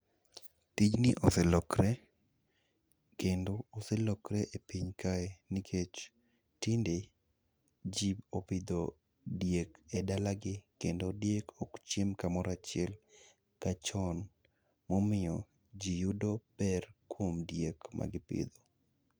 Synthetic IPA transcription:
tid͡ʒnɪʔosɛlɔkɾɛ | kendoːsɛlɔkɾɛʔepiɲkaenɪkʰet͡ʃ | tɪnde | d͡ʒiopɪd̪o | djekedalaɡɪkendodjekokt͡ʃimkamɔɾat͡ʃɪɛl | kat͡ʃɔn | mɔmɪjɔ | d͡ʒijudopɛrkwomdjekmʔa̰ɡɪpɪ̰d̪o

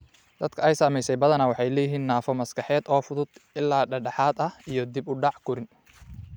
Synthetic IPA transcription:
d̪̥ɐd̪kʰɐɛjsaːmɛjsɛjbɐðɐnɐwɑħɑjlɛːjɪɦiːnːaːfɔmɐskɑħɛːd̪ɔːfʊðʊd̪̥ʔɪlːaːɖɐɖɑħɑːd̪ɐijɞd̪ibʊɖɑʕkʰʊɾɪn

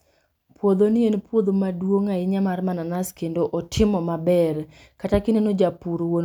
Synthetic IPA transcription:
pwod̪onɪenpwod̪omadwoŋaɪɲamarmananaskendoʔɔtʰɪmɔmabɛr | katakɪnenod͡ʒapuɾwon

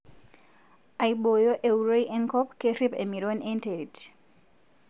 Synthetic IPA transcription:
aiɓojoʔeuɾojʔeŋkɔpkeɾipemiɾonenteɾit

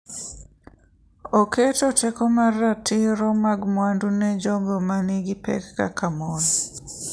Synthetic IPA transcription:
oketotɛkɔmaratɪɾɔmaɡmwandunɛd͡ʒɔɡɔmanɪɡɪpɛ̰kːa̰kʰamon

